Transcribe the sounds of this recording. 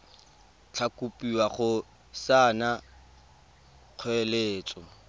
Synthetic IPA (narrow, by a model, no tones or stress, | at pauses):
t͡ɬʰakupʼiwaχʊ | sana | q͡χʰwɛleːt͡sʼɔ